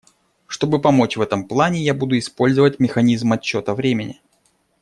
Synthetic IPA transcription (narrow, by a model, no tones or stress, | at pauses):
ʂt̪o̞bɨpɐmo̞t͡ɕvɛt̪əmplˠanʲɪjabud̪ʊɪspo̞lʲzəvət̚ʲmʲɪxɐnʲizmɐt͡ɕːo̞t̪əvɾʲemʲɪnʲɪ̰